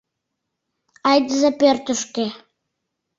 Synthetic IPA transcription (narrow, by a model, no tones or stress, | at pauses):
ɑjd̪əzepørt̪ə̆ʃke